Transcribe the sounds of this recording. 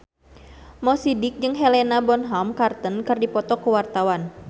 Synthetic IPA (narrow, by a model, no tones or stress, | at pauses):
mɔsidɪk̚d͡ʒɨŋɦɛlɛnabɔnɦɔmkart̪ənkɨrdipɔt̪ɔkuwart̪awan